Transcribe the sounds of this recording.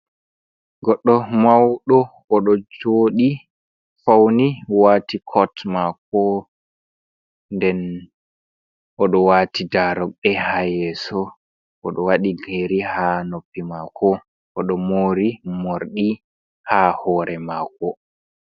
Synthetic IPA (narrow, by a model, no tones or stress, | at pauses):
ɡɔɗːɔmawɗɔː | ɗɔd͡ʒoːɗi | fawniwaːtikʰɔtmak̚ɔ | ndɛn | ɔɗɔwaːtidaɾɔk̚ɓɛhajɛːsɔ | ʔːɗɔwaɗiɡeːɾihanopːimakʰɔ | ʔɔɗɔmoːɾimoɾɗi | haːhɔːɾɛmaːkɔ